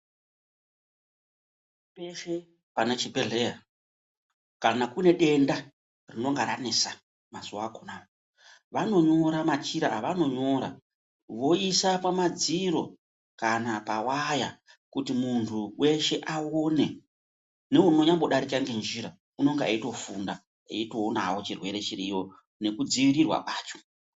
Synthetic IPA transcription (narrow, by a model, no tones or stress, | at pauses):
peʃe | panat͡ʃibʱeɮeja | kanakune̞ɗe̞nda | rino̞ŋɡaɾanesa | mazuwakonao | ʋano̞ɲo̞ɾamat͡ʃiɾaʋano̞ɲo̞ɾa̰ | ʋo̞isapamad͡ziɾo̞ | kanapawaja | kutimuntʰuwe̞ʃe̞ʔawo̞ne̞ | ne̞uno̞ɲamboɗaɾikaŋɡe̞nd͡ʒiɾa | uno̞ŋɡea̰ito̞funda | ḛitoona̰wo̞t͡ʃirwe̞ɾe̞t͡ʃirijo̞ | ne̞kud͡ziʋiɾirwa̰kaːt͡ʃo̥